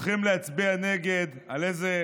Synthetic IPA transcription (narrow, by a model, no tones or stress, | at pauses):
χimleat͡sbiane̞ɡed̪ | alejze